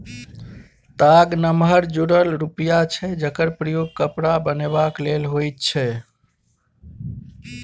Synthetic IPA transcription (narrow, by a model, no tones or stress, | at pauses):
t̪aɡnəmɦəɾd͡ʒuɽəlɾupijat͡ʃʰɛd͡ʒəkəɾpɾəjoɡ̚kəpɾabənebaklelɦojt̪̚t͡ʃʰɛ